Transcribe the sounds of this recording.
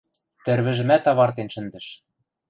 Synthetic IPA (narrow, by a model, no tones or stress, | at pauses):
t̪ɘ̆ɾβɘ̆ʒɘ̆mæt̪ɑβɑrt̪enʃɘ̆nd̪ɘ̆ʃ